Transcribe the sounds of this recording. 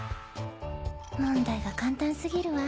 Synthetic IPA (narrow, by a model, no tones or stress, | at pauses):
mõ̞nd̪aiɡakãnt̪ãñsɨɡʲiɾɯ̟βa